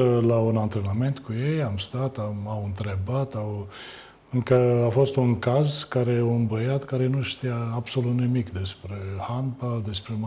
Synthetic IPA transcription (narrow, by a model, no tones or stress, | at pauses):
launant̪ɾename̞nt̪kuje̞jamst̪at̪aawɨnt̪ɾe̞bat̪aw | ɨŋkəafo̞st̪uŋkazkaɾe̞oɨnbəjat̪kaɾe̞nuʃt̪ijaːbso̞lut̪nimikd̪e̞spɾe̞hanpald̪e̞spɾem